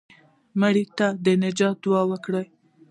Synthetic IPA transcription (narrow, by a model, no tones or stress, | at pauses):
maɽit̪ad̪ənɪd͡ʒɑt̪̚d̪uɑwəkɽəj